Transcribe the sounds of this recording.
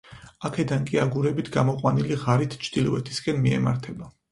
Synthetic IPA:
akʰɛd̪ankʼiaɡuɾɛbit̪ʰɡamɔqʼwaniliʁaɾit̪ʰt͡ʃʰd̪̥ilɔvɛt̪ʰiskʼɛnmiɛ̰ma̰ɾt̪ʰɛba

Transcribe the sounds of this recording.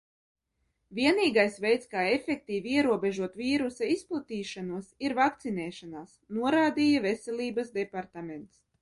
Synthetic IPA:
vʲiɛniːɡajsvɛjt̪skaːefʲek̚t̪iːvʲiɛɾuɔbeʒuɔt̪viːɾusaisplˠut̪iːʃanuɔsiɾvak̚t̪sinɛːʃanaːsnuɔɾaːd̪iːjavesɛlʲˠiːbɐsd̪epaɾt̪ament̪s

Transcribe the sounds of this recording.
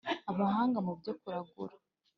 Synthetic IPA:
aβaɦaːŋɡamubɟokuɾaɡṵɾḁ

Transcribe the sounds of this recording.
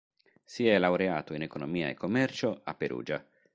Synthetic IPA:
siɛlawɾea̰ːt̪oinekonomiːa̰ḛkːomːɛrt͡ʃoa̰pːeɾṵːd͡ʒa

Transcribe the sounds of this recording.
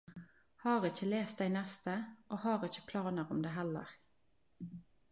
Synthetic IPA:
hɑːʁɪçəleːst̪̚d̪æɪnɛst̪əʔoːhɑːʁɪçə̥pʰlɑːnəʁɔmd̪eːɦɛlːə̰ʁ

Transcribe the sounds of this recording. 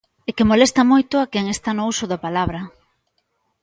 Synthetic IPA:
ekemolest̪ɐmojt̪ʊakɛŋest̪anousʊðapalaβɾɐ

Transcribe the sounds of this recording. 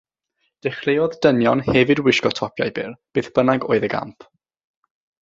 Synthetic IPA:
d̥ɛχleɔðdənjɔnhɛvɨdwɪʃkɔtʰɔpʰja̰jbɪrb̥ɨːθb̥ənaɡo̰ːɨðəɡa̰mpʰ

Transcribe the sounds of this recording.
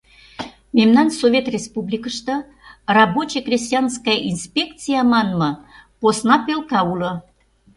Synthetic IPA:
memnɑnsovʲet̪rʲespublʲikəʃt̪ə | rɑbot͡ɕekrʲis̬ʲt̪ʲijɑnskɑjʔinspʲekt̪t͡sɨjɑmɑnmɤposnɑpelkɑulɤ̆

